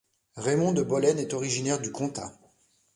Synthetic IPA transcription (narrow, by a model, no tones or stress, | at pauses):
ʁemɔ̃d̪əbɔlɛnɛt̪ɔʁiʒinɛʁd̪ykɔ̃t̪a̰